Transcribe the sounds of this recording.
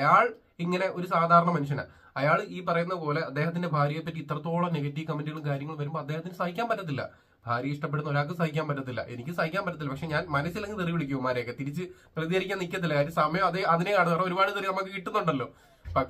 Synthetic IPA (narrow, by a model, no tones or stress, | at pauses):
ɐjaːɭ | iŋːɐne̞ʔo̞ɾusaːd̪ʱaːɾɐɳɐmɐnuʂ̬ɐna̰ | ɐjaːɭiːpɐrɐjunːɐðɨpo̞ːle̞ɐd̪ːeːɦɐt̪ːinde̞bʱaːɾjɐpːɐtːit̪ːrɐt̪ːo̞ːɭɐneɣɐtːijɐkɐmːindiɣɐɭumkaːɾjɐŋːɐɭumʋɐɾumboːɐd̪ːeːɦɐt̪ːinɨsɐhikʲːaːnpɐtːɐt̪̬ːilːɐ̰ | bʱaːɾjɐiʂʈɐpːeɽunːoɾaːk̬ːɨmsɐhikʲːaːnpɐt̬ːɐt̪ːilːɐ̰ʔenikʲːɨsɐhikʲːaːnpɐt̬ːɐt̪̬ːilːɐpɐkʂe̞ɲaːnmɐnɐsːileŋɡɨt̪eriʋiɽikʲːuʋɐmaːɾejkːet̪iɾit͡ɕːɨpɐlɐðijɐɾikʲːaːnikʲːɐt̪ilːɐkaːɾjɐmsɐmɐjɐmɐðeɐðinekaɽðɐro̞ɾubaːɽɨt̪ɐɾijɐnɐmokːɨkiʈːunːuɳɖɐlːo̞ː | pɐ